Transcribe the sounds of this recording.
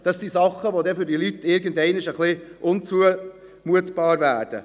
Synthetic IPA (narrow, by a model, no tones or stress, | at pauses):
d̥ɑsːisɑχːəʋod̪ɛfʏɾdilytːɪɾɡən̩dɛɪnɪʃəχliʔʊnt͡suə | muətb̥ɑːɾvæːɾd̥ə̰